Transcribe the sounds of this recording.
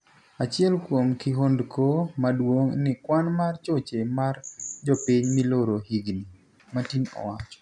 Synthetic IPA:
at͡ʃɪɛlkwomkɪɦondkʰomadwoŋnɪkwanmart͡ʃot͡ʃemard͡ʒɔpiɲmɪloɾohiɡni | matinɔ̰wat͡ʃɔ̥

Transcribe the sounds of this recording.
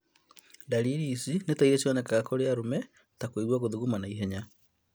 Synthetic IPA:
daliɾisinetaiɾɛsjɔnɛkaɣakoɾeaɾomɛ | takoiɾwaɣoðuɣumanaiɦɛɲa

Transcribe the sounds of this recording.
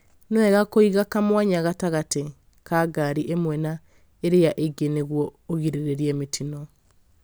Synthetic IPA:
noɛɣakoiɣakamwaɲaɣataɣate | kaɡaɾiʔemwɛna | eɾejaʔeɡeneɣwɔoɣiɾeɾeɾjɛmetʰinɔ

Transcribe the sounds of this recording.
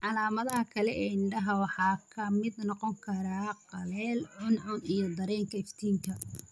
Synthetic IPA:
ʕɑlaːmɐðɐɦɐkʰɐlɛːɪɳɖɐɦɐwɑħɑːkʰɐmɪd̪nɔqɔŋkʰɐɾaːqɑlɛːlʕʊnʕʊnijɞd̪ɐɾɛːŋkʰɐɪft̪ʰiːŋk̪ʰɐ

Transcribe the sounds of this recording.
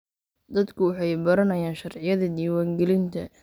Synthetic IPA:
d̪ɐd̪kʰʊwɑħɑjbɐɾɐnɐjaːnʃɐrʕɪjɐðɐd̪iːwaːŋɡɛlɪnt̪ʰɐ̰

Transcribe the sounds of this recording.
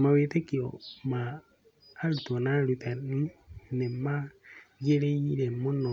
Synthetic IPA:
maweːtekiɔmaː | ɾutɔnaɾutaninemaɡeɾeiɾɛmɔnɔ

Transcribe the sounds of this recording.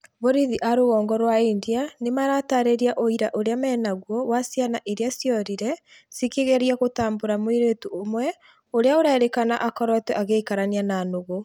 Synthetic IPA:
βoɾiðiʔaɾoɣɔːŋɡɔɾwaindianemaɾataɾeɾiaʔoiɾaʔoɾeamɛːnaɣwɔwasjanaʔeɾeasjɔɾiɾɛ | sikeɣɛɾiaɣotaːmboɾamoiɾetuomwɛ | oɾeaoɾaeɾekana̰ʔakɔɾɔtɛʔaɣeikaɾaniananoɣo

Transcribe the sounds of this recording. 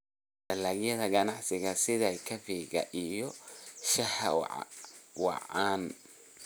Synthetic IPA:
ɖ̥ɐlaːɡjɐðɐɡɐnɑʕsɪɣɐsɪðɐjkʰɐfiːɣɐ̰ʔijɔʃɐhɐ̰ | wɑ̰ʕaːn

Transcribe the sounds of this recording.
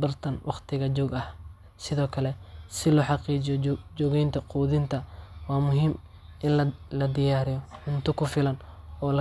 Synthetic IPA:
bɐrt̪ʰɐnwʔɑqt̪ʰɪɣɐt͡ʃɔːɡɐh | sɪðɔːkʰɐlɛsɪlʊħɑqiːt͡ʃɪjɔd͡ʒɔːɣɛjnt̪ʰɐquːðɪnt̪ʰɐwɑːmʊɦiːm | ʔɪnllɐd̪ɪjaːɾɪjɔħʊnt̪ʰʊkʰʊfɪlɐnɔːlɐ

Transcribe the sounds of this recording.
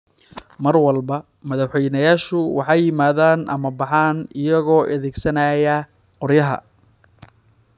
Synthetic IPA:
mɐrwɑlbɐ | mɐðɑħwɛjnɐjaːʃʊwɑħɑjːɪmaːðaːnʔɐ̰mɐbɑħɑːnɪjɐɣɔːʔɐðɛːɡsɐnɐjɐ | qɔrjɐɦɐ̰

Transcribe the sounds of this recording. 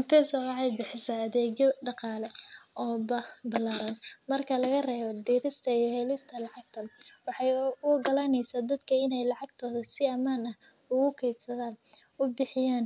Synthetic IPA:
ɐt̪ɛsɐwɑʕɑjbɪħɪsɐːðɛːɣjɔɖɑqɑːlɛɔːbɐbɐlaːɾɐnmɐrkʰɐlɐɣɐrɛːβɔd̪iːɾɪst̪ʰɐijɔhɛːlɪst̪ʰɐlɑʕɑɡ̚t̪ʰɐwɑħɑjʊɡɐlanɛjsaːd̪ɐd̪kʰɐɪnɛjlɑʕɑɡ̚t̪ʰɔːðɐsɪɐmaːnɐh | ʊɣʊkʰɛːbsɐðaːn | ʊbɪħɪjaːn

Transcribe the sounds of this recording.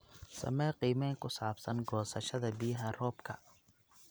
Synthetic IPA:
sɐ̰mɛːqiːmɛːŋkʊsaːbsɐnɡɔːsɐʃɐd̪ɐbijɦɐrɔːbkʰɐ

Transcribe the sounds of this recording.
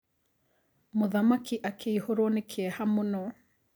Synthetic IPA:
mʊðamakiʔakʰeihoɾonɪkʰeɛhamunɔ

